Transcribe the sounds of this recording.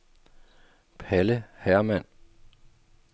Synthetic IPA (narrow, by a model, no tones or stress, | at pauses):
pʰæləhæɐmæn̰